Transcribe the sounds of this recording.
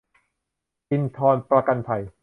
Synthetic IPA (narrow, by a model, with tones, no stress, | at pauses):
pi˧nt̪ʰɔː˧npɾa˧ka˧npʰa˨˩j